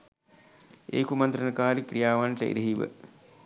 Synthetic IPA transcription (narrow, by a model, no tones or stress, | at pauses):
ḛːkumant̪ɾənəkaːɾikrijaːʋanʈəḭɾeɦiʋə̰